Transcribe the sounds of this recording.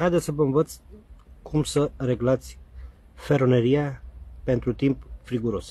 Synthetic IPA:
hajd̪esəvəɨnvət̪skʰumsəɾe̞ɡlat̪sʲ | fe̞ɾone̞ɾiape̞nt̪ɾut̪impfɾiɡuɾo̞s

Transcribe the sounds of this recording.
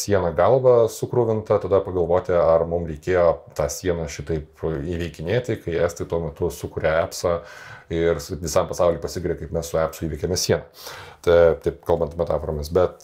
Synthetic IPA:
sʲiɛnɐɡɐlˠʋɐsʊkɾʊʋʲɪnt̪ɐt̪ɐd̪ɐpɐɡɐlˠʋoːt̪ʲɪɐrmʊmɾʲɛɪkʲeːjoːt̪ɑːsʲiɛnɐʃʲɪt̪ɐɪpiːʋʲɛɪkʲɪnʲeːt̪ʲɪkɐɪæːst̪ɐɪt̪uɔmʲɛt̪ʊsʊkʊɾʲɛæːpsɐɪrʋʲɪsɐmpɐsɑʊlʲɪːpɐsʲɪɡʲɾʲɛkɐɪpmʲɛssʊæːpsʊiːʋʲɪkʲeːmʲɛsʲiɛnɐt̪ɐt̪ɐɪpkɐlˠbɐnt̪ɐmʲɛt̪ɑːfoːɾoːmʲɪsbʲɛt̪

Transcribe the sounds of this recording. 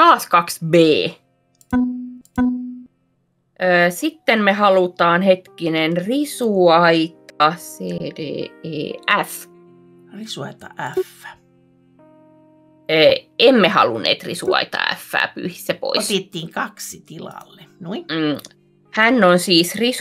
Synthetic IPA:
t̪ɑːskɑksbeː | ʔəːsit̪ːenmehɑlut̪ɑːnhet̪kinenrisuɑit̪ɑseːdḛːḛːæf | risuɑ̰it̪ɑ̰ʔæfːæ̥ | əːemːehɑ̰lunːḛːt̪rḭsuɑ̰it̪ɑ̰ːæ̰fːæ̰ːpy̰ːhisːæpo̰isp̪iet̪ːiːŋkɑksit̪ilɑ̰lːenui | hænːonsiːsris

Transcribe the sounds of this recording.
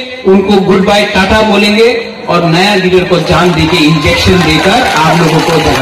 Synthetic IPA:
ʊnkoɡʊɖbaːjkaːʈʰaboːlẽːŋɡe | ɔːɾnɐjaliɾəɾkod͡ʒaːnd̪eːkeɪ̃nd͡ʒeːkʃənd̪eːkəɾaːploːɡõkod̪ʱa

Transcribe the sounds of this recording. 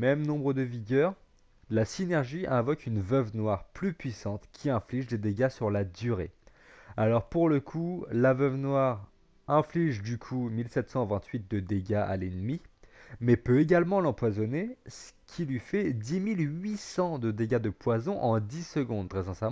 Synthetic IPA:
mɛmnɔ̃bʁəd̪əviɡʲœːʁ | lasinɛʁʒiɛ̃vɔkynvœvnwaʁplypɥisɑ̃t̪kʲʰiɛ̃fliʒd̪ed̪eɡʲasyʁlad̪yʁe | alɔʁpuʁləkʰulavœvnwaʁ | ɛ̃fliʒd̪ykʰumilsɛt̪sɑ̃vɛ̃t̪ʰɥit̪̚d̪əd̪eɡaa̰lɛnmimɛpøeɡʲalmɑ̃lɑ̃pwazɔnesə̥kʲʰilɥifɛd̪imilɥisɑ̃d̪əd̪eɡad̪əpwazɔ̃ʔɑ̃d̪isəɡɔ̃d̪t̪χɛzɛ̃sam̃

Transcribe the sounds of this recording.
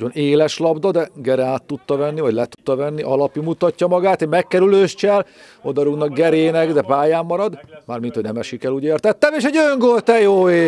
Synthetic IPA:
oneːlɛʃlɒbd̪ɒd̪ɛɡɛɾɛaːt̪ːut̪ːɒvɛnːivɒɟlɛt̪u̥t̪ːɒvɛnːiʔɒlɒpimut̪ɒcːɒmɒɡaːt̪emɛkːɛɾyløːʃt͡ʃɛl | o̞d̪ɒɾuɡnɒk̚ɡɛɾeːnɛɡd̪ɛpaːjaːmːɒɾɒd̪maːrminhonɛmɛʃikɛluːɟeːrt̪ɛt̪ːɛmeːʃɛɟøŋɡolt̪ɛjoːeː

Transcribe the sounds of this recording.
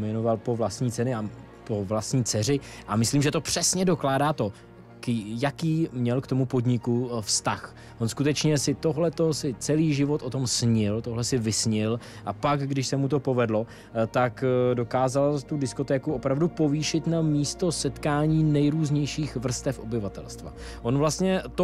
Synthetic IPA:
mɛno̞valpo̞vlast̪ɲiːt͡sɛnɪa | po̞vlast̪ɲiːt͡sɛr̝ɪ | ʔamɪsliːmʒɛt̪o̞pr̝̥ɛsɲɛdo̞klaːdaːt̪o̞ | kjakiːmɲɛlkt̪o̞mupo̞dɲɪkufst̪ax | ʔonskut̪ɛt͡ʃɲɛsɪt̪o̞ɦlɛt̪o̞sɪt͡sɛliːʒɪvo̞t̪ʔo̞t̪o̞msɲɪlt̪o̞ɦlɛsɪvɪsɲɪl | ʔapakɡdɪʃsɛmut̪o̞po̞vɛdlo̞ | t̪akdo̞kaːzalt̪udɪsko̞t̪ɛːkuʔo̞pɾavdupo̞viːʃɪt̪namiːst̪o̞sɛt̪kaːɲiːnɛjɾuːzɲɛjʃiːxvr̩st̪ɛfʔo̞bɪvat̪ɛ̰lst̪va̰ | ʔo̞nvlast̪ɲɛt̪o

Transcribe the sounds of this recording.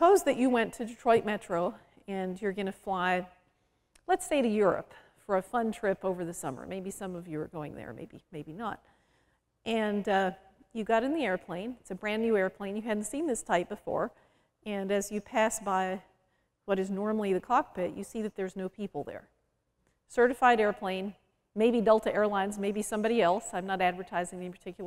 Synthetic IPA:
səpʰoʊzðɨt͡ʃɨwɛ̃ntʰɨdɨtʰɹ̥ɔɪt̚mɛt͡ʃɹ̥oʊ | ɨ̃njə˞ɡʌnɨflaɪ | lətseɪɾɨjʊɹɨ̰p | fə˞ɨfʌ̃ntʰɹ̥ɪpoʊvə˞ðɨsʌ̰mə̰˞meɪbisʌ̃mʌvjɨə̰˞ɡoʊɪ̃ŋðə̰˞mḛɪbḭmeɪbinə̰t̚ | ʔɨ̃n | jɨɡɑɾɨ̃nðiɛɹpʰl̥ẽɪ̃nɪtsɨbɹæ̃nːʉɛɹpʰl̥ẽɪ̃njɨɦædⁿn̩tsĩnðɪstʰaɪp̚b̥ɨfɔ̰ɹ | ɨ̃nɨzjɨpʰæsb̥aɪ | wʌɾɨznɔɹml̩ˠiðɨkʰɑk̚pʰɪʔjɨ̰siðɨt̪̚ðə˞znoʊpʰipl̩ˠðə̰˞ | sɜ˞ɾɨfaɪɾɛɹpʰl̥ẽɪ̃n | meɪbidɛlˠtʰɨʔɛɹlãɪ̃nzmeɪbisʌ̃mbɑɾiɛlˠsãɪ̃mnəɾædvə˞tʰaɪzɪ̃ŋɛnipʰə˞tʰɪkʰjl̩ˠ

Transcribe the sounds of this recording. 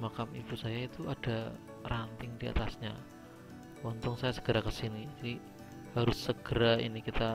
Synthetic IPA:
makamib̥usajait̪uad̥a | rant̪ɪŋdia̰t̪asɲa | ɔnt̪ɔŋsajasə̥ɡ̥əɾakəsinid͡ʒadi | haɾʊsːəɡ̥əɾaḭnikit̪a

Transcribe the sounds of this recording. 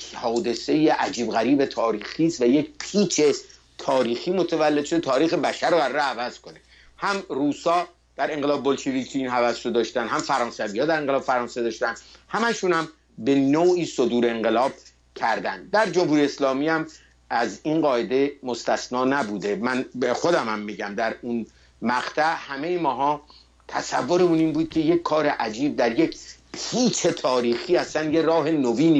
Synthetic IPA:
hɒːd̪e̞se̞jeʔæd͡ʒiːbɣæɾiːbe̞t̪ʰɒːɾiːxiːst̪væjecpʰiːt͡ʃʰe̞ | t̪ʰɒːɾiːxiːmo̞t̪ʰævælːe̞d̪ʃo̞d̪et̪ʰɒːɾiːxebæʃæɾːoæɾɒːɾeævæz̥kone̞ | hæmruːsɒː | d̪̥æɾe̞ŋɢelɒːbebolʃevikʲʰiinɦævæsɾod̪ɒːʃt̪ænd̪hæmfæɾɒːnsæviːhɒːd̪æɾe̞ŋɢelɒːbefæɾɒːnsed̪ɒːʃt̪ænd̪hæmæʃunhæm | be̞noːʔiːsod̪uːɾeeŋɢe̞lɒːb̥̚ | cʰæɾd̪ænd̪̚d̪æɾd͡ʒo̞mhuːɾijeslɒːmiːæm | æzinɢɒːʔed̪e̞mo̞st̪æsnɒːnæbuːd̪e̞mænbexo̞d̪æmæmːiːɟæmd̪æɾun | mæʁt̪ʰæʔhæme̞jemɒːɦɒː | t̪ʰæsævːo̞ɾemuniːnbuːd̪̥̚cʰe̞jekʰkʰːɒːɾe̞ʔæd͡ʒiːb̚d̪æɾje̞kpʰiːt͡ʃʰe̞t̪ʰɒːɾiːxiːæsænjeɾɒːɦe̞noviːni

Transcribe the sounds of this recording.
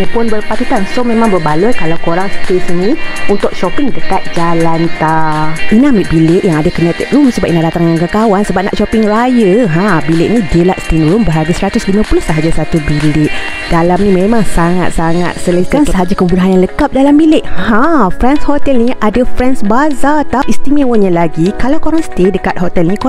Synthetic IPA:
ipʊnbərpat̪ut̪ansomẽmãŋbərbaləkalawkoɾaŋsə̥t̪isənĩunt̪ʊkʃɔpiŋit̪əkat̪̚d͡ʒalant̪ainamik̚bileʔjaŋadakənɛt̪ɛt̚ɾumsəbap̚ʔinahdat̪aŋaŋkəkawansəbap̚na̰ʔʃɔpɪŋrajəɦãbilɪʔnid͡ʒəlaʔst̪inuɾʊmbəɦarɡəsɾat̪ʊslimə̃pulusəɦad͡ʒasat̪ubileʔ | d̥alamnĩmemaŋsaŋa̰t̪̚saŋa̰t̪̚sələkansəɦad͡ʒakəbudaɦanjaŋləkap̚dalambilɪʔhãfɾɛnshɔt̪ɛlniʔadafɾɛnsbazat̪apist̪imẽwənɲalaɡikalawkoɾaŋsə̥t̪edəkat̪̚ɦɔt̪ɛlniko

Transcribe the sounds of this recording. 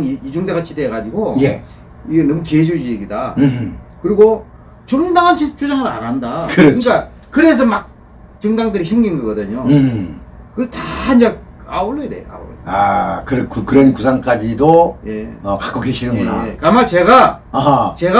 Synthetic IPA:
miid͡ʑuŋdeɣat͡ɕʰideːɡad͡ʑiɡoje | iɡe̞nʌmukied͡ʑud͡ʑijeɡida | kɯɾiɡo | t͡ɕɯŋdaŋɦant͡ɕʰit͡ɕʰud͡ʑaŋɯɾa̰ɾandakɯɾɯɲik͈a | kɯɾe̞s̬ʰʌmak̚ | t͡ɕɯŋdaŋdɯɾiɕʰɯŋɡinɡʌɡʌdɯɲo | kɯdtaind͡ʑe | aoɭːʌedḛa̰o̰akɯɾkukɯɾʌnkusʰaŋk͈ad͡ʑidoje̞̰ʌkḁk͈oɡeɕʰinɯnunaekɯamat͡ɕe̞ɣa | aɦt͡ɕe̞ɣa

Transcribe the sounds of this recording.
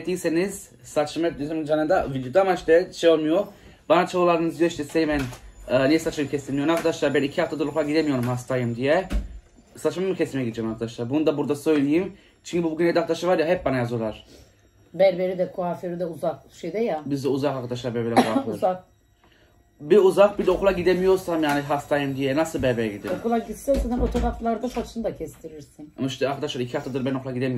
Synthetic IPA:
t̪ʰːijise̞niz̥ | sat͡ʃʰɯmɛp̚d̪yzymd͡ʒanɯnd̪avid̪ijo̞d̪aamaiʃt̪ɛʃejo̞lˠmujo | banat͡ʃʰalˠulˠaɾd̪ɯnɯzijoiʃt̪ʰɛsejmɛnːnɛjsat͡ʃʰmamcʰesinmʲijɾnakʰad̪aʃlˠaːɾbænicʰihaft̪ʰad̪ulˠupˠaɟid̪emijo̞ɾumhast̪ʰajɯmd̪ijɛ | sat͡ʃmamɯcʰesimɛɟid̪id͡ʒɛmaɾkʰad̪aʃlˠaːɾbunud̪abuɾd̪asø̞jlʲijim | t͡ʃʰyɲcʰybubuɟynʲejd̪akt̪aʃɯvaɾjaɦɛp̚banajazujo̞lˠaɾ̥ | bæɾbeɾid̪ɛkʰuaføɾid̪ɛuzakʃejd̪ɛjabizd̪ɛuzakaɾkʰad̪aʃlˠaɾbɛɾbilɛkuafuzak̚ | biuzak̚bid̪ɛokulˠaɟid̪emijo̞ɾsamjaːniɦast̪aːjɯmd̪ijɛnasɯlˠbæɾbeɾɛɟid̪iokulˠaɟit̪sesɯnhɛmot̪ʰoɾaflˠaɾd̪asat͡ʃʰɯnɯd̪acʰɛst̪ʰiɾiɾsinonʃʃɛaɾkʰad̪aʃlˠaɾicʰihaft̪ad̪ɯɾbænokʰlˠaɡid̪emijo

